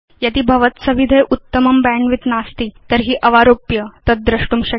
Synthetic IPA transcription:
jat̪iːbʱɐʋət̪səʋid̪ʱəjʔut̪ːəməmbæɳʋit̪nast̪iːt̪əɾɦiːʔəʋaɾopjət̪əd̪̚d̪ɾəʂʈuːmɕə

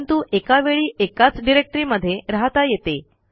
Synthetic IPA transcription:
nt̪uːʔekaʋeɭiːʔekat͡sɖiɾek̚ʈɾiːməd̪ʱːjeɾaɦt̪ajet̪e

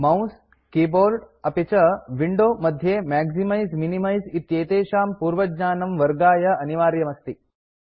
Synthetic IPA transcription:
mɐws | kiːboːɾɖɐpet͡ʃɐʋiɳɖoːmɐd̪ʱjeːmɛːɡzimɐjzminimɐjzit̪jeːt̪eːʃaːmpuːɾʋɐd͡ʒɲaːnɐmʋɐɾɡaːjɐɐniʋaːɾjɐmɐst̪i

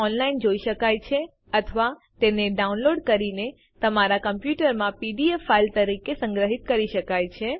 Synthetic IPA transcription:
ɔnlaind͡ʒoiʃəkajt͡ʃʰe | ət̪ʰəʋa | t̪eneɖaunloɖkəɾine | t̪əmaɾakəmpjuʈəɾmãpiɖiefːailt̪əɾikesə̃ŋɡɾəɦit̪̚kəɾiʃəkajt͡ʃʰe

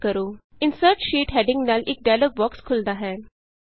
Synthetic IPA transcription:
kəɾoː | ɪnsəɾʈʃiːʈɦɛɖɪ̃ŋɡnaːlʔeːk̚ɖajlək̚bɔːkskʰʊld̪aɦɛː

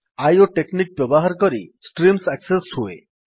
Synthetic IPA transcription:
ajoʈeknik̚bɔboɦaɾkɔɾisʈɾimsɛkseshoḛ

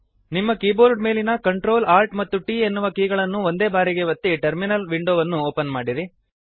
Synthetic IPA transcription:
nimːɐkiːboːɾɖme̞ːlinɐkɐɳʈɾo̞ːlaːɾʈmɐt̪ːuʈiːe̞nːuʋɐkiːɡɐɭɐnːuo̞nd̪eːbaːɾiɡe̞ʋɐt̪ːiʈɐɾminɐlʋiɳɖoːʋɐnːuoːpɐnmaːɽiɾi

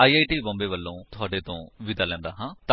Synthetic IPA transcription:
aːiːaːiːʈiːbɔ̃ːmbeːʋəlːõːt̪ʊaːɖeːt̪õːʋɪd̪aːlɛ̃ːnd̪aːɦãːt̪a

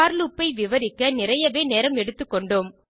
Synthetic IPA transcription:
aːɾlupːɐɪʋɪʋɐɾɪkːɐnɪrɐjɐʋeːneːɾɐmɛɽɯt̪ːɯkːɔɳɖoːm

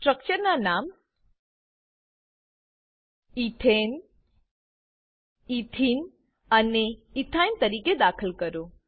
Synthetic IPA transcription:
sʈɾək̚t͡ʃəɾnanaːm | it̪ʰen | it̪ʰiːn | əneit̪ʰajnt̪əɾiːked̪aːkʰəlkəɾo

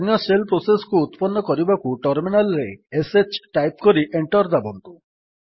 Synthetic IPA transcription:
nɔselpɾosesɔ̥kuːt̪pɔnːɔkɔɾibakuʈɔɾminalɾeːset͡ʃʈajp̚kɔɾiʔeɳʈɔɾd̪abɔnt̪u̥

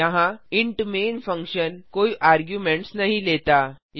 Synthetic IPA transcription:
aɦãiɳʈmenfəŋkɕənkoiʔaɾɡjumeɳʈsnaɦilet̪a | j

